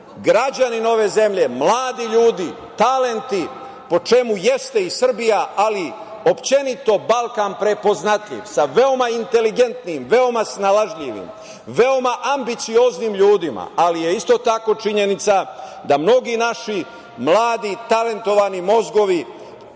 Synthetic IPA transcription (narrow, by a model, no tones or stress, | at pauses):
ɡɾad͡ʑanino̞ʋe̞ze̞mʎe̞mlˠaːd̪iʎuːd̪i | t̪ale̞nt̪i | po̞t͡ʃe̞muje̞st̪e̞isr̩bijaʔali | o̞pt͡ɕe̞nit̪o̞balˠkaːnpɾe̞po̞znat̪ʎḭʋsaʋe̞o̞maint̪e̞liɡe̞nt̪niːmʋe̞o̞masnalaʒʎiʋḭm | ʋeo̞maʔambit̪sio̞zniːmʎuːd̪ima̰alije̞ist̪o̞t̪ako̞t͡ʃiɲe̞nit̪sad̪amno̞ɡinaʃi | mlaːd̪it̪ale̞nt̪o̞ʋanimo̞zɡo̞ʋi